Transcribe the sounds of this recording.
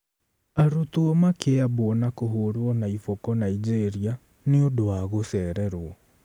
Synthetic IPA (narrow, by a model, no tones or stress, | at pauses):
aɾutuɔmakeaβɔnakoɦoɾwɔnaifɔkɔnaid͡ʒeɾia | neodowaɣosɛːɾɛɾwɔ